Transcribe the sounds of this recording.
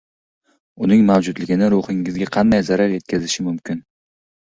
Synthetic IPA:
ʊnɪŋmawd͡ʒʊd̪lɪɡʲɪnɪɾʊhɪŋɪzɡʲaqʰɑnd̪ajzaɾaɾje̞t̪̚kʲʰazɪʃɪmʊmkʲɪn

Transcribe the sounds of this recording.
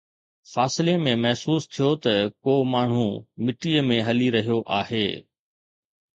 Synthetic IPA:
faːsɪlemẽmɐɦsuːst̪ʰijot̪ɐkoːmaːɳ̤ũmɪʈiːəmẽɦɐliɾɐɦijoʔaːɦeː

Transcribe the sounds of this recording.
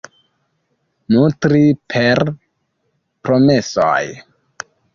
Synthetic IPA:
nutɾipʰeɾ | pɾo̞me̞so̰j

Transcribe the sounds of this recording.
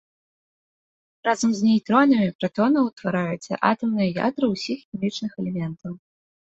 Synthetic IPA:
razɐmzʲnʲejt̪ɾɔnɐmʲipɾat̪ɔnɨwt̪vaɾajut̪sʲɐ̰ʔa̰t̪ɐmnɨjɐja̰d̪ɾɨwsʲixxʲimʲit͡ʂnɨxɛlʲɛmʲɛnt̪ɐw

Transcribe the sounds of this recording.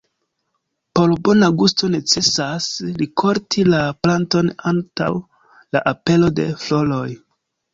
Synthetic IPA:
po̞ɾbo̞naɡusto̞ne̞t͡se̞saslikʰo̞ɾtʰilaplanto̞nanta̰w | la̰ʔape̞lo̞de̞̰flo̞lo̞j

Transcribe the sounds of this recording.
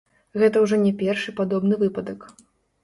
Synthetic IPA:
ɣɛt̪ɐwʐɔnʲɛpʲɛrʂɨpad̪ɔbnɨvɨpɐd̪ɐk

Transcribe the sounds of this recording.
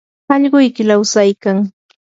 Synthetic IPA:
ɑʎɢʊjkɪlawsajkaŋ

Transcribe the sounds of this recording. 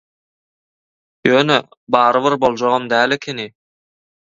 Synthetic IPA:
jøːnø | bɑːɾɯβiɾbo̞lˠd͡ʒoʁɯmd̪æːlekʲʰeni

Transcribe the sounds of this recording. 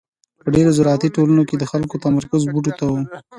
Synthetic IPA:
pəɖeɾozʊɾɑt̪iʈolanoked̪əxalkot̪amaɾkʊzbuʈ̬ot̪awu

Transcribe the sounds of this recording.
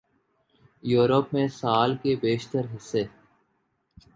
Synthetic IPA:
juːɾəpmẽsaːlkebeːʃt̪əɾɦɪsːe

